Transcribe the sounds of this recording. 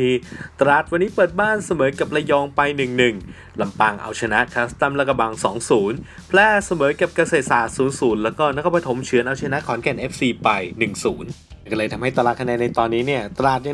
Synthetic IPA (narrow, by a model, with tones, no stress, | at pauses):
i˧t̪ɾaː˨˩t̪̚wa˧nːiː˦˥pɤː˨˩t̪̚baː˥˩nsa˧mɤː˩˦ka˨˩p̚la˧jɔː˧ŋpa˧jnɯ˨˩ŋnɯ˨˩ŋ | la˧mpaː˧ŋʔa̰˧wt͡ɕʰa˧na˦˥ʔkʰa˦˥st̪a˥˩mla˦˥˩ka˧˩ba˧ŋsɔː˩˦ŋsuː˩˦n | pʰlɛː˦˥˩sa˧mɤː˩˦ka˨˩p̚ka˧seː˨˩t̪̚saː˨˩t̪̚suː˩˦nsuː˩˦nlɛː˦˥wkɔː˥˩na˦˥kʰa˧˩pɾa˧t̪ʰo˩˦mt͡ɕʰɯ˩˦ənʔa˧wt͡ɕʰa˧na˦˥ʔkʰɔː˩˦nkɛ˨˩nʔe˦˥p̚siː˧pa˧jnɯ˨˩ŋsuː˩˦n˩ | kɔː˥˩lɤː˧jt̪ʰa˧mɦa˥˩jt̪a˧laː˧˩kʰa˧nɛː˧nːa˧jt̪ɔː˧nːiː˦˥ni˥˩ɐt̪ɾaː˨˩t̪̚ja˧